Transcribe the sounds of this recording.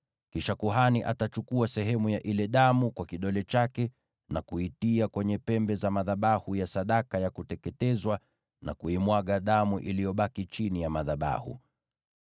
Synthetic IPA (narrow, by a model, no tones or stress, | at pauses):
kiʃakuɦaniʔa̰tat͡ʃukuasɛɦɛmujaʔilɛɗamukwakiɗɔlɛt͡ʃakɛ | nakuitiakwɛɲɛpɛmbɛzamaðaɓahujasaɗakajakutɛkɛtɛzwa | na̰kuimwaɠaɗamuʔilijɔɓakit͡ʃinijamaðaɓa̰hṵ